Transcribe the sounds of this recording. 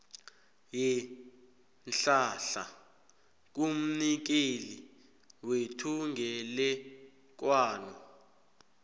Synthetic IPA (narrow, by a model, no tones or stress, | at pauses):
jɛ | nɬaɬa̰ | k̬um̩nik̬eli | wetʰuŋɡʱɛlɛ | k̬waːnɔ